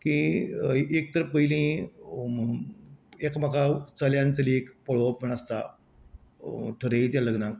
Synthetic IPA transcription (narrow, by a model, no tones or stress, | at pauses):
ki | ek̚t̪əɾpəɦilĩ | ekmakʰat͡səljãnt͡səliekpəɭoʋəpm̤əɳ̃ast̪a̰ | ʈʰəɾeit̪jaləɡnãk